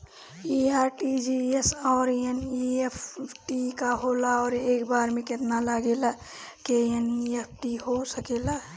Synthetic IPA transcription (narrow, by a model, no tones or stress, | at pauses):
iaːɾʈid͡ʒiesɔːɾjəniepʰʈikaɦolaɔːɾeːkbaːɾmẽket̪nalaɡela | kejəniepʰʈiɦosəkela